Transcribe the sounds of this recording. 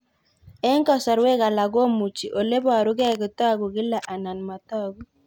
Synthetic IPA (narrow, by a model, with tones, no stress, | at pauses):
ɛ˦ŋkɔ˦sa˨ɾwe˦ka˨la˨ɡo˦mu˨t͡ʃi˨ʔo˨le˦bɔ˦˨a˨ɾʊ˦ɡɛ˦˨ɡɪ˨t̪a˦˨ɡʊ˨ɡɪ˦la˨ʔa˨na˨nma˨t̪ɔ˦˨ɡu˦